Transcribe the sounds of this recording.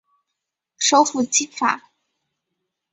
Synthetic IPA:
ʂo˥ʊfu˥˩t͡ɕi˥fa̰˨˩˦

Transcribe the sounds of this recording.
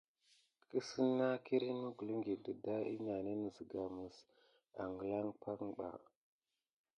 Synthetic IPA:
kə˦sə˦nːa˦ki˦ɾi˦nu˦ɡu˨lə˦ŋɡi˨də˨da˦ḭ˦ɲa˨ne˦nə˨zə˨ɡa˨mə˨s | a̰˨ŋɡə˨la˦ŋpʰa˦ŋɓa̰˨

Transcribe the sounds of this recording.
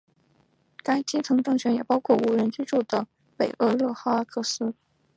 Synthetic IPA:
ka˥ɪt͡ɕi˥t͡sʰɤ˧˥ŋʈ͡ʂɤ˥˩ŋɕɥɛ˧˥njɛ˨˩pɑ˥ʊkʰwɔ˥˩u˧˥ɻə˧˥nt͡ɕy˥ʈ͡ʂu˥˩d̪ə˩ | pe˨˩ɪʔə˧˥lɤ˥˩xa˥a˥kʰɤ˥˩sɹ̩˥

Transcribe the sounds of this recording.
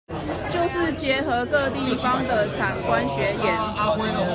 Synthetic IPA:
t͡ɕjo˥˧ʊʂɻ̩˥˩t͡ɕjɛ˧˥xɤ˧˥kɤ˥˧t̪i˥˨fɑ˦ŋd̪ə˨t͡sʰa˨˩nkwa˦nɕɥɛ˨˦jɛ˨˦n

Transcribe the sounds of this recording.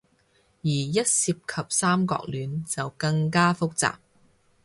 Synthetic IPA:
jiː˨˩jɐ˥t̚siː˧p̚kʰɐ˨p̚saː˥mkɔ̰ː˧k̚lyː˨˧nt͡sɐ˨wkɐ˧ŋkaː˥fʊ˥k̚t͡sa̰ː˨p̚

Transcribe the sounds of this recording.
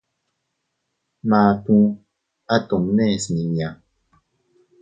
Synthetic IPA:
maː˨tũ˦ | a˦to˨mnɛ˦˨sni˨ɲ˨ã˨

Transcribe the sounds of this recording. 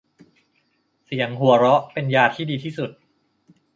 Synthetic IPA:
si˨˩˦əŋɦu˨˩˦əɾɔ˦˥ʔpe˧njaː˧t̪ʰiː˥˩diː˧t̪ʰiː˥˩su˨˩t̪̚

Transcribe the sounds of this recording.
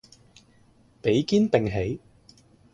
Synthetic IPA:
pe˨˥jkiː˥npɪ˨ŋɦe˨˥j

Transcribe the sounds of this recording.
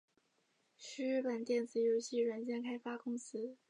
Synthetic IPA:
ɕy˥y˥˩pə˨˩nt̪jɛ˥˩nd͡zɹ̩˨˩jo˧˥ʊɕi˥˩ɻə˧˥nt͡ɕjɛ˥nkʰa˥ɪfa˥kʊ˥ŋsɹ̩˥

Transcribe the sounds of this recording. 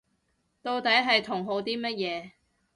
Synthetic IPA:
t̪o˧wt̪ɐ˨˥jɦɐ˨jt̪ʰʊ˨˩ŋɦo˨˧wt̪iː˥mɐ˥t̚jɛː˨˧

